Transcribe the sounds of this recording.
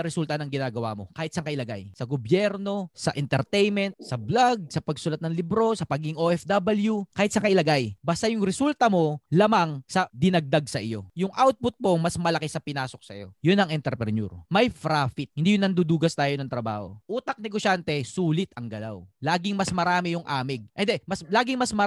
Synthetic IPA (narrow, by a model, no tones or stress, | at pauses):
ɐɾɛsult̪ɐnɐŋɡɪnaːɡɐwa̰ːmo̞̰kaːhɪt̪sɐŋkɐʔɪlɐɡa̰jsɐɡobjɛɾno̞sɐʔɛnt̪ɛɾt̪ɛjmɛnt̪̚sɐblaɡ̚sɐpɐɡsʊlat̪nɐŋlibɾo̞sɐpɐɡɪŋʔoʔɛfd̪abɐljukaːhɪt̪̚sɐkɐʔɪlɐɡajbɐst̪ajʊŋɾɛsult̪ɐmo̞laːmaŋsɐd̪ɪnɐɡ̚d̪aɡ̚sɐʔɪjo̞̰jʊŋʔawt̪̚pʊt̪̚mo̞mɐsmɐlɐkɪsɐpɪnaːso̞k̚sɐjo̞̰jʊnɐŋʔɛnt̪ɛɾpɾɛnṵːɾmɐjfɾaːfɪt̪̚hɪnd̪ijʊŋnɐnd̪ud̪uːɡɐst̪aːjo̞nɐŋt̪ɾɐba̰ːho̞̰ʔuːt̪ɐk̚nɛɡoʃant̪ɛsuːlɪt̪ɐŋɡɐla̰wlaːɡɪŋmɐsmɐɾaːmɪjʊŋʔa̰ːmɪɡ̚ʔɛnd̪ɛmɐslaːɡɪŋmɐsmɐ